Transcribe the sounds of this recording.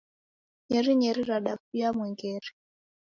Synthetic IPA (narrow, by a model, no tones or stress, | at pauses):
ɲɛɾiɲɛɾiɾaɗafujamwɛŋɡɛɾi̥